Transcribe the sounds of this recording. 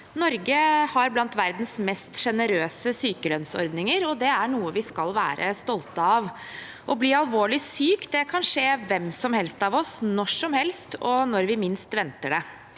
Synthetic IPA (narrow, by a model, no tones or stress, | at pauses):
nɔɾɡəhɑɾblɑnt̪ʋæɾd̪n̩smɛst̪ʂɛnəɾøːsəsyːkəlœnsɔ̰ɾd̪nɪŋəɾɔd̪ɛæɳuːəʋɪskɑlʋæ̰ːɾʔə̰st̪ɔlt̪əɑʋ | ʔɔbliːɑlʋoːɭɪsyːkd̪ɛkʰɑnʂeːʋɛmsɔmhɛlst̪ɑʋɔsnɔʂɔmhɛlst̪ɔnɔɾʋɪmɪnst̪ʋɛnt̪əɖɛ